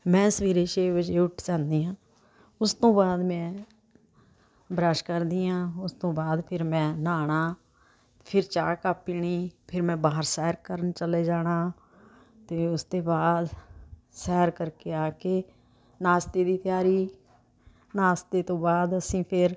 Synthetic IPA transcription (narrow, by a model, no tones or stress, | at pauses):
mɛ̃ːsəʋiːɾeːʃeːʋɪt͡ʃeːʊʈʰd͡ʒãːnd̪iːãː | ʊst̪õːbaːd̪mɛ̃ː | bɾaːʃkəɾd̪iːjãːʊst̪õːbaːd̪pʰɪɾmɛ̃ːnaːɳ̃aː | pʰɪɾt͡ʃaːkaːpːiːɳiːpʰɪɾmɛ̃ːbaːɦəɾsɛːɾkəɾənt͡ʃəleːd͡ʒaːɽ̃aː | t̪eːʊst̪eːbaːd̪ | sɛːɾkəɾkeːaːkeː | naːst̪eːd̪iːt̪ɪjaːɾiː | naːst̪eːt̪õːbaːd̪əsĩːpʰɪɾ